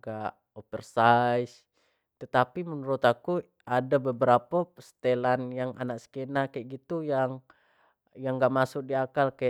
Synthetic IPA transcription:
ɡaʔ | opərsais | t̪ət̪apimənuɾʊt̪aku | adabəbəɾapast̪elanjaŋa̰nak̚sə̥kenakajʔɡit̪ujaŋ | jaŋɡaʔmasʊk̚diakalka

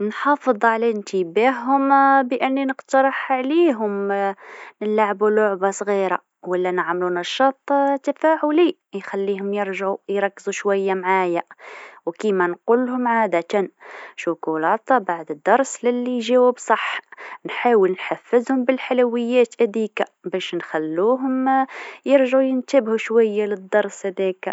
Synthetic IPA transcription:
nħɑfəd̪ˤʕalæənt̪əbahɦʊmbəʔənːinəqt̪ɑɾˤɑħʕliɦʊm | nəlːaʕbulʊʕbasˤɣiɾa̰ | wəlːænəʕmlunæʃːɑt̪ˤːt̪æfaʕʊli | jxælːihʊmjəɾʒʕujɾˤɑkːzuʃwæjːamʕajawkimænqulhʊmʕaːd̪æt̪anʃʊkulɑːt̪baʕd̪əd̪ːɑɾˤslɪlːiʒiwubsˤɑħnħaːwəlnħafːəzhʊmbəlħaluwəjːæːt̪ʔæd̪ikabæʃnxælːuɦʊmjəɾʒʕujənt̪əbhuʃwæjːaləd̪ːɑɾˤshæd̪æk

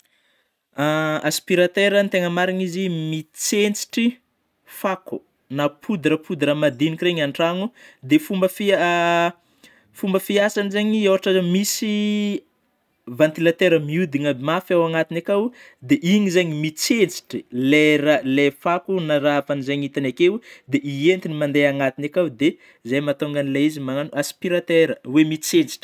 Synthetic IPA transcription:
aaspiɾat̪eɾənt̪eŋəmaɾiɲizimit͡sent͡si̥ʈ͡ʂi | faku | napʰud̪iɾəpud̪iɾamad̪inikreɲaɳʈ͡ʂaŋud̪efumbəfi | fumbəfiasanizeɲiewaʈ͡ʂamisi | vant̪ilat̪eɾəmiud̪iŋəmafawaŋat̪inakaw | d̪eʔiɲizaɲimit͡set͡si̥ʈ͡ʂileɾalefakunaɾafanzaɲit̪anakewd̪eʔient̪inimand̪eaŋat̪inakawd̪e | zajmat̪oŋɡanilaizimaŋanuaspiɾat̪eɾəwemit͡set͡si̥ʈ͡ʂə̥

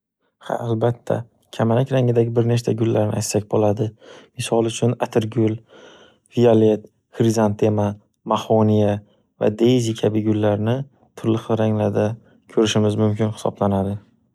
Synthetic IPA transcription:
ha̰ːlbat̪ʰːa̰ | kʲʰamalakʲɾaŋɪd̪aɡʲɪbɪɾne̞t͡ʃt̪ʰaɡʲʊlːaɾnɪ̰ʔajt̪sak̚ʲbolad̪ɪmɪsɒlˠʊt͡ʃʰʊnat̪ʰɪɾɡʲʊl | viale̞t̪̚ | xɾizant̪ʰe̞ma | mahonija | va̰d̪ejzikʲʰabɪɡʊlːaɾnɪ | t̪ʰʊɾlɪχɾaŋlaɾd̪a | kʲʰɵɾɪʃɪmɪzmʊmkʲɪnhɪ̥sɒ̰blanad̪ɪ

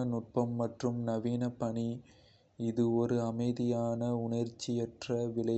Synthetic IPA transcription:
ɐnʊʈ̚pɐmːɐʈrɯmnɐʋiːnɐpːɐɳi | ɪðɯɔɾɯɐmɐɪðɪjaːnɐʊɳɐɾt͡ʃːɪɛʈrɐʋɪlɐ

